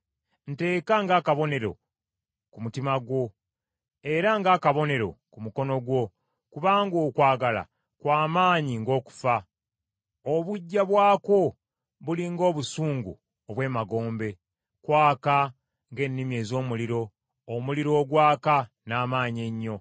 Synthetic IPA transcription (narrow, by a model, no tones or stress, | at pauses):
n̩te̞ːkaŋɡaːkaβo̞ne̞ɾo̞̰ | kumutimaɡwo̞ | e̞ɾaŋɡakaβo̞ne̞ɾo̞̰kumuko̞no̞ɡwo̞ | kuβaːŋɡoːkwaːɡala̰ | kwaːmaːɲiŋɡo̞ːku̥fa | oβuɟːaβwaːko̞ | βuliŋɡo̞ːβusuːŋɡṵ | oβwe̞ːmaɡo̞ːmbe̞ | kwaːka | ŋɡe̞ːnːimje̞ːzo̞ːmuliɾo̞ː | muliɾo̞ːɡwaːka | naːmaːɲe̞ɲːo̞